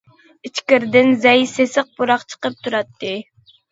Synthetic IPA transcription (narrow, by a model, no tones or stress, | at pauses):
it͡ʃkʲɪɾd̪ɪnzɛjsesəq̚buɾɑqt͡ʃʰə̥qəp̚t̪ʰuɾɑt̪ʰːɨ